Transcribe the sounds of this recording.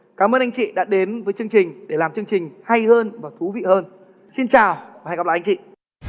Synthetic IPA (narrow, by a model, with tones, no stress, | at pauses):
kaː˨˦mʔəː˧nʔa˧jŋ̟t͡ɕḭ˧˨ɗa̰ː˧˥ɗe˨˦nvəː˨˦jt͡ɕɨ˧əŋt͡ɕï˨˩ŋ̟ɗe˧˩laː˨˩mt͡ɕɨ˧əŋt͡ɕï˨˩ŋ̟ha˧jhəː˧nvaː˨˩wt̪ʰu˨˦vḭ˧˨həː˧n | si˧nt͡ɕaː˨˩waː˨˩a˧ja˨˩laː˧˨ʔŋt͡ɕḭ˧˨